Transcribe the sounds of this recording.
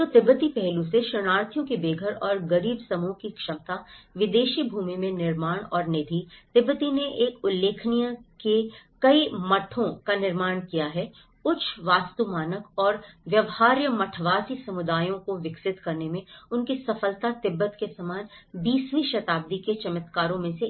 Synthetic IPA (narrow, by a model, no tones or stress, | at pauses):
t̪ot̪ɪbːət̪ipɛɦluseʃəñaːɾt̪ʰijõkibeːɡʱəɾɔːɾɡɐɾiːbsɐmũkikʃɐmt̪aʋɪd̪eːʃibʱuːmimẽnɪɾmaːɽ̃ɔːɾneːd̪ʱit̪ɪbːət̪ineʔeːkʊlːeːkʰnijakekɐimɐʈʰõkanɪɾmaːɽ̃kijaɦɛ | ʊt͡ʃʰʋaːst̪umaːnəkɔːɾʋjɐʋhaːɾjəmɐʈʰʋaːsisɐmʊd̪aːjõkoʋɪksɪt̪kɐɾnemẽʊnkisɐfəlt̪at̪ɪbːət̪kesɐmaːnbiːsʋiʃɐt̪aːb̚d̪iket͡ʃɐmɪt̪kaːɾõmẽse